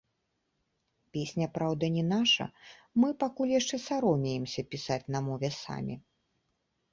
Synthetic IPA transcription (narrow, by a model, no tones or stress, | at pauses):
pʲesʲnʲɐpɾawd̪ɐnʲɛnaʂɐ̰mɨpakulʲjaʂt͡ʂɛsaɾɔmʲɛjɛmsʲɐpʲisat͡sʲnɐmɔvʲɛsa̰mʲḭ